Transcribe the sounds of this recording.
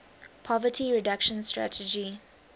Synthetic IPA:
pʰɔvətʰiɹɪdakʃə̃nstɹa̰tʰəd͡ʒi

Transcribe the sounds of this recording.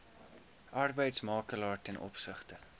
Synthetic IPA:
ʔɐrbəjtsmɑːkəlɑːrtɛnʔɔ̰psəχtə

